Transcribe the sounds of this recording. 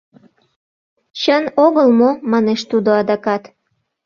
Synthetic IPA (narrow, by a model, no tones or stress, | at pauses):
t͡ɕənoɣəlmomɑneʃt̪ud̪oɑd̪ɑkɑt̪